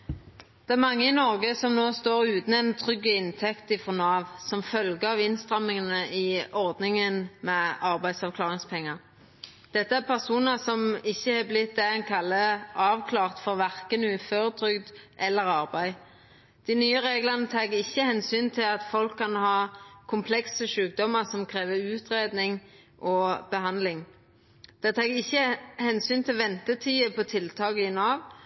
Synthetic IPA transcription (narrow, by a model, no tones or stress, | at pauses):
d̪̥ɛæʁmɑŋːəɪnɔʁɡəsɔmnoːst̪oːʁʉːt̪n̩ɛnt̪ʰʁʏɡːəɪnt̪ʰɛkt̪ɪfʁɔnɑːʋsɔmfœlɡəɑʋɪnst̪ʁɑmːɪŋənəɪɔʁd̪nɪŋənmɛɑʁbæɪd̪sɑʋkʰlɑːʁɪŋspʰɛŋːəʁ | d̪̥ɛt̪ːəæpʰæʁsuːnəsɔmɪçːəhɑːblɪt̪̚d̪æænkʰɑlːəʔɑːʋkʰlɑːʁt̪fɔʁʋæʁkənʉːføːʁət̪ʰʁʏɡd̪ʔɛlːəɾɑʁbæɪ | d̪̥ɪnyːəɾeːɡlənət̪ʰɑːɡəɪçːəhɛnsyːnt̪ʰɪlɑt̪fɔlkʰːɑnhɑːkʰʊmpʰlɛksəʃʉːk̚d̪ɔmːəʁsɔmkʰʁeːʋəʉːt̪ʁeːd̪nɪŋ | ʔɔb̥əhɑnd̪lɪŋ | d̪̥ɛt̪ʰɑːɡɪçːəhɛnsyːnt̪ʰɪlʋɛnt̪ət̪ʰiːəpʰɔt̪ʰɪlt̪ʰɑːɡəɪnɑːʋ